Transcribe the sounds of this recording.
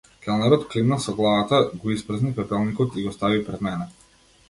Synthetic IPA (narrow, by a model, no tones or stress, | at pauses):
kɛlˠnɛɾɔt̪klinasɔɡlˠavat̪aɡɔispr̩əznipɛpɛlˠnikɔt̪iɡɔst̪avipɾɛd̪mɛnɛ